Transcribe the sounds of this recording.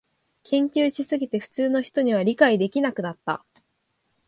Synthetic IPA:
kʰẽ̞ŋkʲɨːɕisɨɡʲit̪e̞ɸɯ̟̥t͡sɨːno̞çi̥t̪o̞ɲ̟iβ̞aɾʲikaid̪e̞kʲinakɯ̟nat̪ːa̰

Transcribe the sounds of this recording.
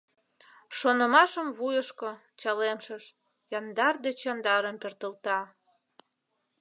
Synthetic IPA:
ʃonəmɑʃəmvujəʃko | t͡ɕɑlemʃəʃ | jɑnd̪ɑrd̪et͡ɕɑnd̪ɑɾəmpert̪əlt̪ɑ

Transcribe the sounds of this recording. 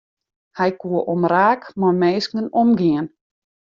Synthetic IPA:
hɛjkuəʔɔmraːkmɔmeːskənɔmɡiən

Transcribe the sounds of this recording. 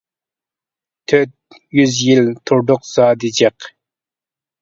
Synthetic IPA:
t̪ʰøt̪̚ | jyzjilt̪ʰuɾd̪ʊqz̥ɑːd̪ɨd͡ʒɛq

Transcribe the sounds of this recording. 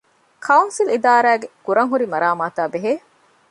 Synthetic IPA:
kʰɐunsilid̪aːɾæːɡekuɾɐŋɦuɾimɐɾaːmaːt̪aːbeɦeː

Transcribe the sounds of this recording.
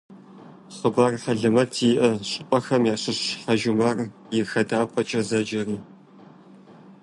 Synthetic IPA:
χəbɐrħɐɮɨmɐrtʰiːʔɐɕʼɨpʷʼɐxɐmjaːɕʼɪɕħɐʒʊmɐr | jɪrxɐdaːpʷʰʼɐt͡ʃʼɐzɐd͡ʒɐriː

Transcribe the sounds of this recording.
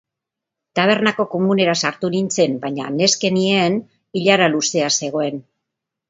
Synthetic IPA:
t̪aβ̞e̞ɾnako̞ko̞mune̞ɾasaɾt̪unint͡se̞mbajɲa̰ne̞ske̞nien | iʎaɾaluse̞ase̞ɣ̞o̞e̞n

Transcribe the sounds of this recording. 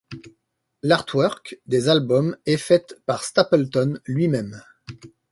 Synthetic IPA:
laʁt̪ʰwœʁkd̪ezalbɔmɛfɛt̪paʁst̪apɛlt̪ɔnlɥimɛm

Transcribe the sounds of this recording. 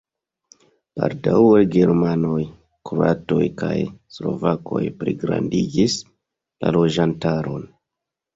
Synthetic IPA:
paɾdawaɡe̞ɾmano̞j | kɾua̰to̞jkajslo̞̰vako̞̰jpɾiɡɾa̰ndid͡ʒis | lalo̞d͡ʒantaɾo̞n

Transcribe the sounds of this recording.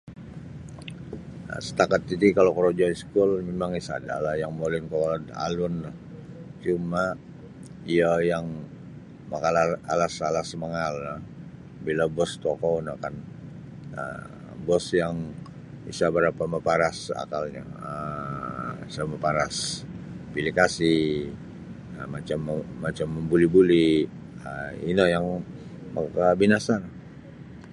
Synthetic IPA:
sə̥t̪akat̪idikalokəɾod͡ʒaiskʊlmemaŋisa̰da̰lajaŋmolɪnkəwalna̰lʊnlah | t͡ʃuma | iajaŋ | makalaalasalasəməŋalːa | bilabɔst̪okonakan | ə̰ | bɔsjaŋ | ḭsabəɾapaməpaɾasa̰kalɲa̰ə | isaməpaɾas | bilikasi | əmat͡ʃamːat͡ʃamːəmbulibuli | əinajaŋ | makabinasana

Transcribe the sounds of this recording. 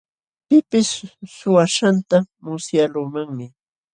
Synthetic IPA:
pɪpɪsːʊwaʃant̪a | mʊsjaluːmaŋmɪ

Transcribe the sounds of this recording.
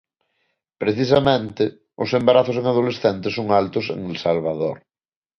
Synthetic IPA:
pɾeθis̬amẽnt̪ɪ | ʊsembaɾaθʊseŋaðolesθɛnt̪esoŋalt̪ʊsḛŋelsalβ̞aðo̰ɾ

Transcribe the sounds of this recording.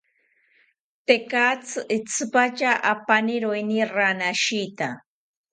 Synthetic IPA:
t̪ekat͡sɨʔit͡sɨpat͡ʃaʔapaniɾojniɾanaʃit̪a

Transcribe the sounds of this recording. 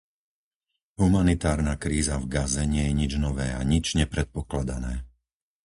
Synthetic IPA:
ɦumanit̪aːɾnakɾiːzavɡazɛɲɪɛjɛɲid͡ʒnɔʋɛːa̰ɲid͡ʒɲɛpɾɛt̪̚pɔklad̪anɛː

